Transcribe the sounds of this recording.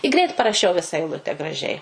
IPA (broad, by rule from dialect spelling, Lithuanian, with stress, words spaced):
ɪ ˈɡrʲɛɪt pɐrɐˈʃʲɛʊ ʋʲɪsɐ ɛɪˈlˠʊtʲɛ ɡrɐˈʒʲɛɪ